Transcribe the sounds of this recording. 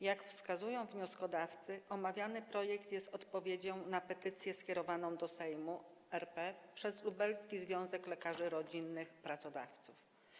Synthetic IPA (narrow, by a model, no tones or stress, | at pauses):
jakfskazujɔ̃w̃vɲɔskɔd̪aft̪sɘʔɔmavʲjanɘpɾɔjɛkt̪jɛst̪ɔt̪pɔvʲjed͡ʑɔ̃w̃napɛt̪ɘt̪sʲjɛskʲɛɾɔvanɔ̃w̃d̪ɔsɛjmu | ɛɾpɛpʂɛzlubɛlskʲizvʲjɔ̃w̃zɛklɛkaʐɘɾɔd͡ʑinːɘxpɾat̪sɔd̪a̰ft̪suf